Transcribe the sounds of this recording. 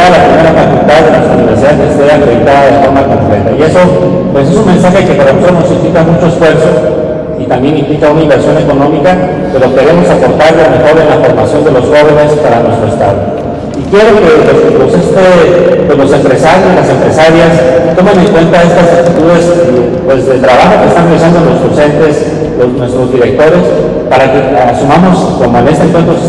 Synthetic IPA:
lapɾime̞ɾafakult̪aðːenwe̞st̪ɾuniβe̞ɾsiðaðkest̪eand̪et̪aðaðefo̞ɾmako̞̰ŋple̞̰t̪a̰ie̞so̞ | pwe̞s̬e̞sunme̞nsaxe̞ke̞paɾalomesoɾno̞sĩŋplikamut͡ʃo̞e̞sfwe̞ɾso̞ | it̪ambje̞nĩŋplikaunaimbe̞ɾsjo̞ne̞ko̞nõ̞mika | pe̞ɾo̞ke̞ɾe̞mo̞sapo̞ɾt̪aɾlome̞xo̞ɾe̞nlafo̞ɾmasjo̞nd̪e̞lo̞sxo̞β̞e̞ne̞spaɾanwe̞st̪ɾoe̞st̪a̰ð̞o̰ | ikje̞ɾo̞ke̞pesposest̪epwezlo̞se̞mpɾe̞saɾjozlase̞mpɾe̞saɾjast̪o̞meneŋkwe̞nt̪ae̞st̪asak̚t̪it̪uðe̞s | pwe̞zðe̞lt̪ɾaβaxo̞keːst̪anrealisand̪onlo̞zðo̞se̞nt̪e̞s | loznwe̞st̪ɾo̞zðiɾe̞k̚t̪o̞ɾe̞s | paɾake̞asumamo̞s | konmoene̞st̪eŋkwent̪ɾos

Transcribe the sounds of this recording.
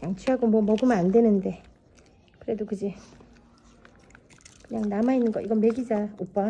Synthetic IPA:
jaŋt͡ɕʰiɦaɡomwʌmʌɡɯmɯnandwe̞nɯnde̞ | kɯɾe̞dokɯd͡ʑe | kɯɲaŋnamainːɯnɡʌʔiɡʌme̞ɡid͡ʑaop͈a

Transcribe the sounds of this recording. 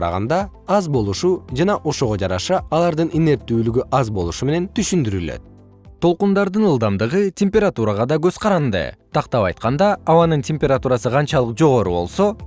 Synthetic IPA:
ɾɑ̰ʁɑ̰nd̪ɑɑzbo̞lˠuʃud͡ʒɑnɑʔo̞ʃo̞ʁo̞d͡ʒɑɾɑʃɑːlˠɑɾd̪ɯnine̞ɾt̪ːyːlyɡyʔɑzbo̞lˠuʃume̞ne̞nt̪ʰyʃynd̪yɾylø̰t̪̚ | t̪ʰo̞lˠqund̪ɑɾd̪ɯnɯlˠd̪ɑmd̪ɯʁɯtʲemʲpʲeɾat̪uɾɑʁɑd̪ɑɡøz̥qʰɑɾɑnd̪ɯ̰t̪ʰɑqt̪ɑpɑjt̪̚qɑnd̪ɑːwɑnɯntʲemʲpʲe̞ɾat̪uɾɑsɯqʰɑnt͡ʃɑlˠɯqd͡ʒo̞ʁo̞ɾṵβo̞̰lˠso̞

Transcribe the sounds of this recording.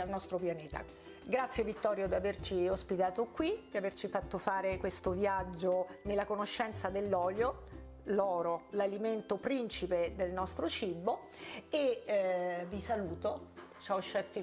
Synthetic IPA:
alnɔst̪ɾopjaneːt̪a̰ | ɡɾat̪sjevit̪ːɔːɾjod̪iavert͡ʃiospit̪aːt̪okwid̪̥iavert͡ʃifat̪ːofaːɾekwest̪ovjad͡ʒːonelːakonoʃːɛnt̪sad̪elːɔːljo | lɔːɾolaliment̪opɾint͡ʃiped̪elnɔst̪ɾot͡ʃibːo | e | vːisaluːt̪o | t͡ʃawʃːɛfːi

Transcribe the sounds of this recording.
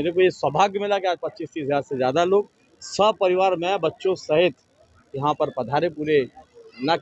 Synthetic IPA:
eːɾek̬ujeswɐbʱaːɡjmɪlakeaːd͡ʒpɐtːt͡ʃiːst̪iːsaːd̪sezjaːd̪aloːɡ̚ | sɐb̚pɐɾɪʋaːɾmẽbɐtːʃõsɐɦɪt̪ | jɐɦãpɐɾpɐd̪ʱaːɾepuːɾenɐ

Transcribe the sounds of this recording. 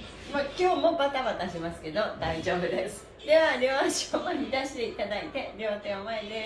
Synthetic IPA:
mokʲo̞ːmo̞bat̪abat̪aɕimasɨ̥ke̞d̪o̞d̪aiʑo̞ːbɯ̟d̪e̞sɨ̥ | d̪e̞βaɾʲoːɕomaɲ̟id̪aɕi̥t̪e̞it̪ad̪ait̪e̞ɾʲo̞ːt̪e̞omaed̪e

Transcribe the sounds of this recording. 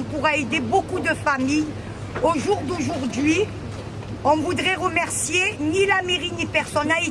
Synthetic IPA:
puʁaed̪ebokud̪əfamij | oʒuʁd̪oʒuʁd̪ɥi | ɔ̃vud̪ʁɛʁəmɛʁsjenilameʁinipɛʁsɔnae

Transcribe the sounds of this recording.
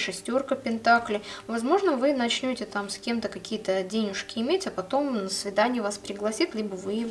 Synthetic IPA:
ʂɨsʲtʲo̞rkəpʲɪnt̪aklʲɪvɐzmo̞ʐnəvɨnɐt͡ɕnʲotʲɪt̪amsʲkʲe̞mt̪əkɐkʲijət̪ədʲenʲɪʂkʲɪɪmʲetʲɐpɐt̪o̞mnəsvʲɪd̪anʲɪjʊvaspɾʲɪɡlˠɐsʲit̪ʲlʲibəvɨ

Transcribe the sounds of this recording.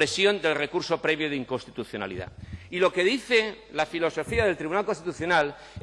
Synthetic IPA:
ɾe̞sjo̞nd̪e̞lre̞kuɾso̞pɾe̞βjoðeiŋkonst̪it̪uθjo̞na̰lḭða̰ilo̞ke̞ðiθe̞lafilo̞so̞fiaðelt̪ɾiβunalkonst̪it̪uθjo̞nal

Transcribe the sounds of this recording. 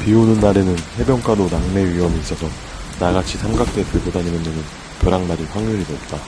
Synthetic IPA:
pionɯnːaɾe̞nɯnhe̞bjʌŋk͈ʰadonaŋme̞ɥiwʌmiːs͈ʌsʰʌ | naɡat͡ɕʰisʰamɡak̚t͈e̞pɯɭbodaɲinɯndɯnɯn | kjʌɾaŋmaɾiɸwaŋɲuɾidoop̚t͈a

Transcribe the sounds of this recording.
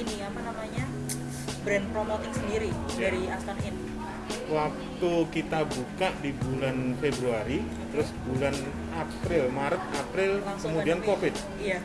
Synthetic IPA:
iniapanamaɲa | bɾɛnpɾomot̪ɪksəndiɾijaaɾiast̪anɪn | wak̚t̪ukit̪abukaʔdibulanfebɾuaɾi | t̪əɾʊsbulan | ʔapɾɪlmaɾət̪̚apɾɪlkəmudiankofɪt̪̚ | ja

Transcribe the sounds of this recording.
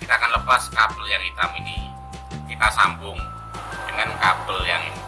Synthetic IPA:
kit̪aːkanləpaskapəljaŋit̪amini | kit̪asampʊŋ | dəŋankapəljaŋi

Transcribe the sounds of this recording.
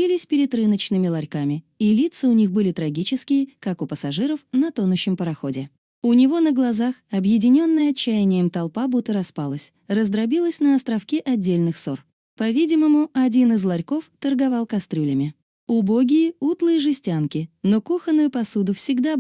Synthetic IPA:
ilʲɪsʲpʲɪɾʲɪt̪rɨnət͡ɕnɨmʲɪlˠɐɾʲkamʲɪilʲit̪sɨʊnʲixbɨlʲɪt̪ɾɐɡʲit͡ɕɪskʲɪjəkakʊpəsɐʐɨɾəfnɐt̪o̞nʊɕːɪmpəɾɐxo̞dʲɪ | ʊnʲɪvo̞nəɡlˠɐzaxɐbjɪdʲɪnʲo̞nːəjəɐt͡ɕːæjɪnʲɪjəmt̪ɐlˠpabut̪ːəɾɐspalˠəsʲ | rəzd̪ɾɐbʲilˠəsʲnəɐst̪ɾɐfkʲiʔɐdʲːelʲnɨxso̞r | pɐvʲidʲɪməmʊɐdʲinɨzlˠɐɾʲko̞ft̪ərɡɐvɑlˠkɐst̪ɾʲulʲɪmʲɪ | ʊbo̞ɡʲɪjɪut̪lˠɨjəʐɨsʲtʲankʲɪno̞kuxənːʊjʊpɐsud̪ʊfsʲɪɡd̪a

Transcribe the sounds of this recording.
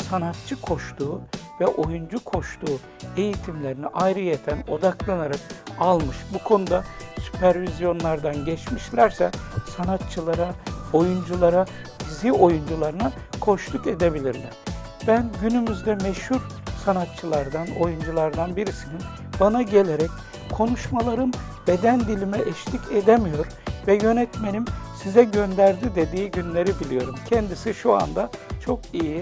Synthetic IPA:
sanat̪̚t͡ʃʰɯkʰo̞ʃt̪uːvɛʔo̞jund͡ʒukʰo̞ʃt̪ʰuː | e̞jit̪ʰimlʲe̞ɾiniʔajɾɯjet̪ʰæno̞d̪aklˠanaɾak̚alˠmɯʃbukʰo̞nud̪asy̥pʰæɾvizjo̞nlˠaɾd̪anɟɛt͡ʃmiʃlʲæɾsɛsanat̪̚t͡ʃʰɯlˠaɾao̞jund͡ʒulˠaɾa | zio̞jund͡ʒulˠaɾɯna | kʰo̞ʃlˠuke̞d̪e̞bilʲiɾlʲæɾ̥ | b̥ænɟynymyzd̪ɛmɛʃhuɾ | sanat̪t͡ʃʰɯlˠaɾd̪ano̞̰jund͡ʒulˠaɾd̪anbiɾisinin | banaɟe̞lʲeɾɛc | kʰo̞nuʃmalˠaɾɯm | b̥ed̪ænd̪ilʲimɛʔɛʃlʰʲiced̪emijo̞ɾ | vɛjø̞nɛt̪menimsizɛɟø̞nd̪æɾd̪id̪e̞d̪iːɟynlʲe̞ɾibilʲijo̞ɾumcʰɛnd̪isiʃua̰nd̪at͡ʃʰo̞kiji

